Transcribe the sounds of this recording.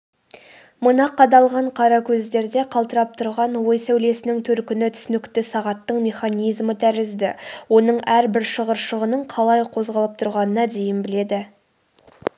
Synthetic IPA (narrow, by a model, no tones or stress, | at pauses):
mənɑqʰːɑd̪ɑlˠʁɑɴqʰɑɾɑkʲʰɵzd̪e̞ɾd̪e̞qʰɑlˠt̪əɾɑp̚t̪ʰʊɾʁɑnwo̞jsæwle̞sɪnɪŋt̪ʰɵɾkʲɪnɪt̪ʰʏ̥sʏnɪkt̪ɪsɑʁɑt̪ːəɴmʲe̞χɑnijzmət̪ʰæɾɪzd̪ɪ̰wo̞nəɴæɾbɪɾʃəʁəɾʃəʁənəɴqʰɑlˠɑjqʰo̞zʁɑlˠəp̚t̪ʰʊɾʁɑnənɑd̪e̞jɪnbɪle̞d̪ɪ